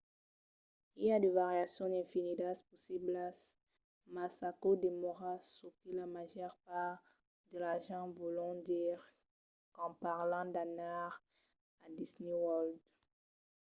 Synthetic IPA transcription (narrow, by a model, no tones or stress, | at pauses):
iliad̪evaʁjasjɔ̃d̪ɛ̃finid̪aspɔsiblas | masakod̪emɔʁasokilamaʒœʁpaʁ | d̪əlaʁʒɑ̃volɔ̃d̪iʁ | kɑ̃paʁlɑ̃d̪anaʁ | ad̪isnewɔld̪